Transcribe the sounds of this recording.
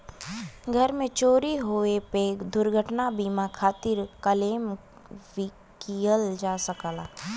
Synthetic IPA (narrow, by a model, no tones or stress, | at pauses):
ɡʱɐɾmẽt͡ʃoːɾiɦoeped̪ʊɾɡʱəʈnabiːmakʰaːt̪ɪɾkəleːm | ʋɪ | kijəld͡ʒaːsəkaːlaː